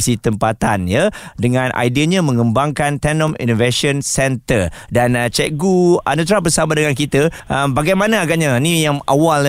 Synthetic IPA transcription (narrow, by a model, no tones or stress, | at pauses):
sit̪əmpat̪anjadəŋãnʔa̰jdiəɲãmə̃ŋə̃mbaŋkant̪ɛnɔ̃mḭnoveʃənsɛnt̪ərdant͡ʃɛʔɡua̰nət̪ɾabəsamadəŋankit̪əː | mbaɡajmãnãaɡaʔɲanĩjaŋʔa̰wal